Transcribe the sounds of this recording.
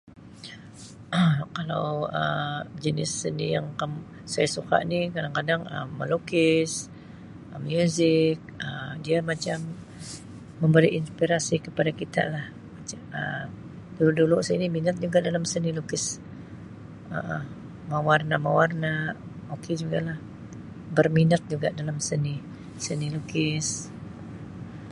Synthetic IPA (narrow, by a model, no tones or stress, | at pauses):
kala̰wəd͡ʒənɪsːənijaŋkam | sajasuka̰ʔnikadaŋkadaŋə̰mːə̰lukɪs | əmjuzɪk̚ədiamat͡ʃam | əmbəɾiʔinspiɾasikəpadakit̪a̰ʔlah | mat͡ʃamə | duluʔduluʔsəiniminət̪̚d͡ʒuɡaʔdalamsənilukɪs | ə̰ʔə | mawarnamawarna | oked͡ʒuɡalah | bərminət̪̚d͡ʒuɡaʔdalamsəni | sənilukɪs